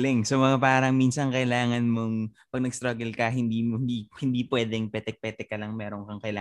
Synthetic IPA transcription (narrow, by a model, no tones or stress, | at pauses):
lɛŋsomɐŋapaːɾɐŋminsɐŋkɐʔɪlaːŋɐnmoŋ | pɐɡ̚nɐɡst̪ɾɐɡɐlkɐɦɪnd̪iːmɪnd̪iːhɪnd̪iːpwɛːd̪ɛŋpɛt̪ɛk̚pɛt̪ɛkːɐlɐŋmɛːɾo̞ŋkɐŋkɐʔɪla